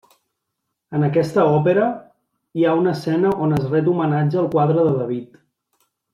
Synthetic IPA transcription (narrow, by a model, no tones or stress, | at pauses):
ənəkɛst̪əɔpeɾə | iaunəsɛnəʔonəzrɛt̪̬umənad͡ʒəːlˠkwaðɾəðəðəβ̞it̪